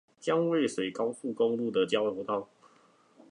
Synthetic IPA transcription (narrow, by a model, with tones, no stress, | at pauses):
t͡ɕjɑ˥ŋwe˥˨ɪswe˧˥ɪkɑ˥˦ʊfu˥˨ko˥ŋlu˥˩d̪ə˩t͡ɕjɑ˥ʊt̪jo˨˧˥ʊt̪ɑ˥˨ʊ